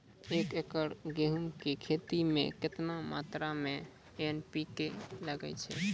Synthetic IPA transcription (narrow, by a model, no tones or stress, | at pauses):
ekekəɾɡeɦumkekʰet̪imḛ̃ket̪nama̰t̪ɾame | enpikeləɡɛ̰t͡ʃʰɛ̰